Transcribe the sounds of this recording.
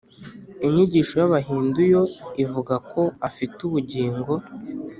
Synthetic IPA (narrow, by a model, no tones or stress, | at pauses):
iɲiɟiːʃo̞jaβaɦiːndujo̞ivuɡakʰo̞afituβuɟiːŋɡo̞